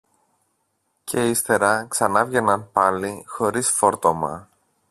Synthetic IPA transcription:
cʰe̞ist̪e̞ɾɐksɐnɐvʝenɐnpɐlixo̞ɾisfo̞ɾt̪o̞mɐ̰

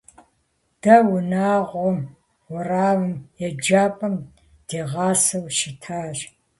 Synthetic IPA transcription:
d̥ɐwʊnaːʁʷɔm | wʊraːwɨmjɛd͡ʒaːpʼɐm | d̥eːʁɑːsɐwʃɪtʰaːʒ

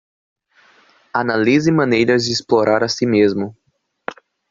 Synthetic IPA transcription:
analizɪmɐ̃nejɾɐzd͡ʒɪisploɾʔaɾasimezmʊ

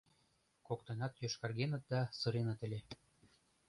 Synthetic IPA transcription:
kokt̪ɤ̆nɑt̪jøʃkɑrɣenə̆t̪̚d̪ɑsɤ̆ɾenɑt̪ɘ̆lʲe

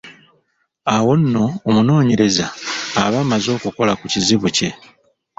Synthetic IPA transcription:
awo̞nːo̞ːmuno̞ːɲe̞ɾe̞zaːβamazo̞ːkuko̞lakuciziβuce̞

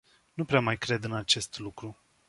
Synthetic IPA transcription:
nupɾeamajkɾe̞d̪ɨnat͡ʃe̞st̪lukɾu

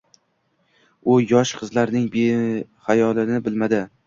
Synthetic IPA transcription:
ʊjɒʃqʰɨzlaɾnɪŋbehajɒlˠɪnɪbɪlmad̪ɪ

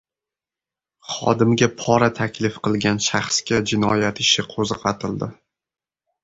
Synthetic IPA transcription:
χɒ̰d̪ɪmɡʲapʰɒɾat̪ʰakʲlɪfqɨlˠɡʲanʃaχskʲad͡ʒɪnɒjat̪ɪʃɪqʰozqɑt̪ʰɪld̪ɪ

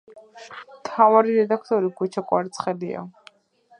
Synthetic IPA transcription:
mt̪ʰavaɾiɾɛd̪akʰt̪ʼɔɾikʰut͡ʃʰakʼwa̰ɾt̪sʰχɛlia̰

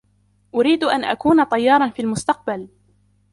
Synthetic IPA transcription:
ʔʊɾiːd̪ʔanʔa̰kuːnat̪ˤɑjːɑːɾˤɑnfiːlmʊst̪ɑq̚bal

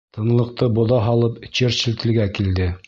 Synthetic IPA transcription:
t̪ɤ̆nlˠɤ̆q̚t̪ɤbŏðɑɦɑlˠɤpɘt͡ɕɘɾsɘ̆lt̪ɘ̆lɡækild̪ɘ

